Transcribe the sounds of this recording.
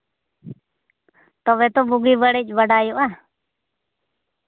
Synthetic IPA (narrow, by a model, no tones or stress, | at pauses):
t̪ɔβɛt̪ɔbuɡibəɽɛc̚ˀbəɖajɔʔa